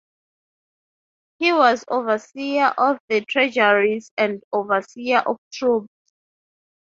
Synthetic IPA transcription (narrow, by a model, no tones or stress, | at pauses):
hiwɔzovəsiaʔɔvðətʰɹɛd͡ʒaɹizɛ̃ndovəsiaʔɔftʰɹup